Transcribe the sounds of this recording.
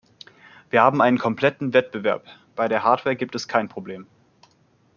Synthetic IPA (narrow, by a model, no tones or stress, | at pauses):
v̥iːɐhaːbm̩ʔaɪnənkʰɔmpl̥ɛtn̩vɛt̚b̥əvɛɐp | b̥aɪɾeːɐɦaːɐtvɛːɐɡiːptɛskʰaɪnpʁ̥obleːm